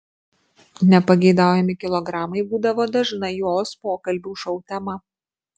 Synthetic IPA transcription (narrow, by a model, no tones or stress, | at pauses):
nʲɛpɐɡʲɛɪd̪ɑˑʊjɛmʲɪkʲɪlˠɔɡɾɑːmɐɪbuːd̪ɐʋoːd̪ɐʒnɐjoːspoːkɐlʲbʲuːʃɔʊt̪ʲɛmɐ